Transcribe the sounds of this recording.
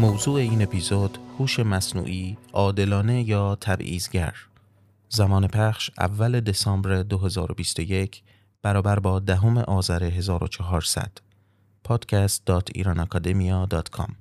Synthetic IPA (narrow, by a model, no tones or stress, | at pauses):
mowzuːe̞iːne̞pʰizod̪̥huːʃe̞mæsnṵːʔiːʔɒːd̪e̞lɒːne̞jɒːt̪ʰæbḭːzɟæ̰ɾ | zæmɒːnepʰæχʃʔæ̰vːæle̞d̪e̞sɒːmbɾed̪o̞ɦe̞zɒːɾo̞bist̪o̞je̞kʰ | b̥æɾɒːbæɾbɒːd̪æɦome̞̰ʔɒːzæɾe̞ɦe̞zɒːɾot͡ʃʰɒɦɒːɾsæ̰d̪̥ | pʰɒːd̪̥cʰæst̪̚d̪̥ɒːt̪ʰḭɾɑnɒkʰɒːd̪e̞miɒːd̪ɒːt̪kʰɒ̰m